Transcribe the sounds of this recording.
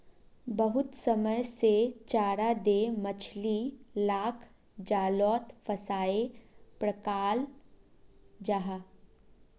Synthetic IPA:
bəɦʊt̪səməjset͡ʃaːɾad̪emət͡ʃʰlilaːkʰ | d͡ʒaːlɔːt̪fʰəsaːepɾəkaːl | d͡ʒaɦaː

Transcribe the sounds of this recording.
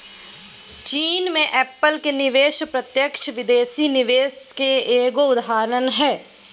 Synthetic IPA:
t͡ʃiːnmẽʔɛːpəlkenɪʋeːʃpɾət̪jəkʃʋɪd̪eːsinɪʋeːskeeːɡoʊd̪ɦaːɾənɦɛː

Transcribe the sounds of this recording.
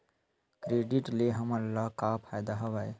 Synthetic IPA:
kɾeːɖɪʈleɦəməlːakapʰaːjd̪aɦɐʋaːe

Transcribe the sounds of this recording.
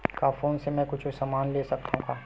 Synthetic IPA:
kaːfoːnsemɛ̃ːkʊt͡ʃʰsamaːnleːsɐk̚t̪aɦũkaː

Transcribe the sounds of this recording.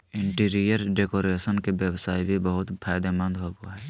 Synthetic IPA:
ɪ̃ɳʈiːɾijəɾɖeːkoːɾeːsənkeʋjəwsaːibʱibəɦʊt̪pʰaːjd̪emə̃nd̪ɦobuaɦɛː

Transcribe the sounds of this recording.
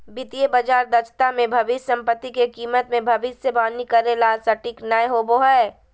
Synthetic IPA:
bɪt̪iebəd͡ʒaːɾd̪ɐt͡ʃt̪amẽbʱɐʋɪssɐ̃mpət̪ːikekiːmət̪mẽbʱɐʋɪssebaːnikɐɾelaːlsɐʈiknəjɦoboɦɛ

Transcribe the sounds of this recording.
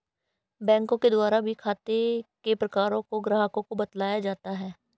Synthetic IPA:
bɛ̃ːŋkõked̪ʊaːɾabʱikʰaːt̪ekepɾɐkaːɾõkoɡɾaːɦkõkobɐt̪laːjad͡ʒaːt̪aɦɛː

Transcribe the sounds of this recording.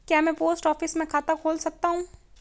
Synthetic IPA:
kjaːmɛ̃poːsʈɔːfɪsmẽkʰaːt̪akʰoːlsɐk̚t̪aɦũː

